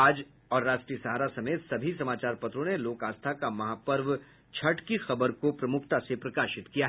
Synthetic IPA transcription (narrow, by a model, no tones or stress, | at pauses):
aːd͡ʒ | ɔːɾɾaːʃʈɾiːəsɐɦaːɾasɐmeːt̪sɐbʱisɐmaːt͡ʃaːɾpɐt̪ɾõneloːkaːst̪ʰakamɐɦaːpəɾʋ | t͡ʃʰɐʈkixɐbəɾkopɾɐmʊkʰt̪asepɾɐkaːʃɪt̪kijaɦ